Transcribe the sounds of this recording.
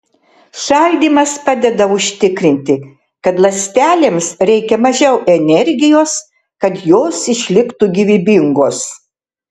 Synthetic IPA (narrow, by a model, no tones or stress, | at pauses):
ʃɐlʲd̪ʲiːmɐspɑːd̪ʲɛd̪ɐʊʃʲt̪ʲɪkɾʲɪnʲt̪ʲɪ | kɐt̪lˠɐsʲt̪ʲæːlʲeːmsɾʲɛɪkʲɛmɐʒʲɛʊʔɛnʲɛɾʲɡʲɪjoːs | kɐt̪joːsɪʃʲlʲɪkt̪uɡʲiʋʲɪbʲɪŋɡoːs